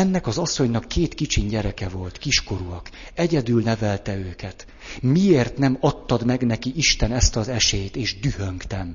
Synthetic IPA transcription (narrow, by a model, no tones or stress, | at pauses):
ɛnːɛkɒzɒsːo̞ɲnɒkʰːeːt̪kit͡ʃiɲɟɛɾɛkɛvo̞lt̪kiʃko̞ɾuɒkɛɟɛd̪ylnɛvɛlt̪ɛøːkɛt̪ | mieːrt̪nɛmɒt̪ːɒd̪mɛɡnɛkiʔiʃt̪ɛnɛst̪ɒzɛʃet̪eːʒd̪yhøŋkt̪ɛm